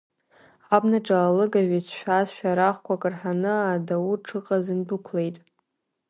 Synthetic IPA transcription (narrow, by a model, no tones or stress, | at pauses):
abnaʈ͡ʂʼaːlɨɡaʒʷᶣit͡sʷʰʃᶣazʃᶣaɾaχkʷʰakʼɨrħanɨadawurʈ͡ʂʰɨqʼazɨnbɨkʷʰle̞jtʼ